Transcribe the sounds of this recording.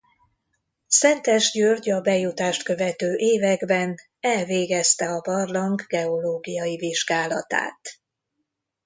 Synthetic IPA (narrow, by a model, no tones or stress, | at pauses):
sɛnt̪ɛʒɟørɟɒbɛjut̪aːʃt̪kø̞vɛt̪øːʔeːvɛɡbɛn | ɛlveːɡɛst̪ɛɒbɒrlɒŋɡɡɛo̞loːɡijɒjiviʒɡaːlɒt̪a̰ːt̪